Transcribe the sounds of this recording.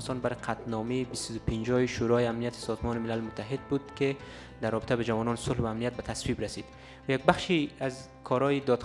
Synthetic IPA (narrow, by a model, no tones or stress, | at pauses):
st̪ɔnbaɾqʰat̪nɔmeibist̪ad̪upʰind͡ʒɔjiʃuɾɔjiamnijat̪ʰi̥sɔzmɔnimilalmʊt̪ʰːaɦed̪̚bud̪ke | d̪aɾrːɔbit̪ʰæbad͡ʒavɔnɔnsʊlhvaːmnijat̪̚bat̪ʰaswibɾasid̪ | vjaɡ̚baχʃiaz | kʰɔɾɔjid̪ɔd̪x